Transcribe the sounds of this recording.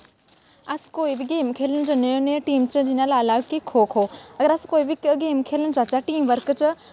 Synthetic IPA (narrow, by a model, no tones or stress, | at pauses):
ɐskoːibɪɡeːmkʰeːlənɪ̆d͡ʑoːnɐjõːneʈiːmt͡ɕəd͡ʑinaːlaːlaːʋkikʰoːkʰoːɐɡəɾɐskoːibʱɪkəɡeːmkʰeːlənɪ̆d͡ʑaːt͡ɕaʈiːmʋɐɾkt͡ɕə